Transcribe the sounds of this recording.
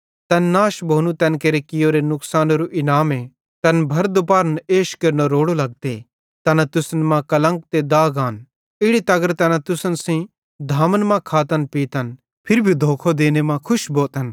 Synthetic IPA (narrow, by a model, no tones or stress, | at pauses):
t̪ɐnːaːʃbʱoːnũt̪ɛ̃nkeɾekɪjoːɾenʊksaːnoɾuʔɪnaːme | t̪ɐnbʱɐɾd̪upaːɾəneːʃkɐɾnoɾoːɽolɐɡ̚t̪e | t̪ɐnat̪ʊsnmãkɐlə̃ŋk̚t̪ed̪aːɡaːn | ɪɽit̪ɐɡəɾt̪ɛnãt̪ʊsənsĩ | d̪ʱaːmənmãkʰaːt̪ənpiːt̪ɐn | pʰɪɾbʱid̪ʱoːkʰod̪eːnemãkʰʊʃboːt̪ən